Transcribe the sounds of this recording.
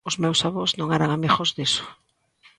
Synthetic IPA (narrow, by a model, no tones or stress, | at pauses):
ʊzmewsaβoznõŋɛɾaŋameɣozðesʊ̥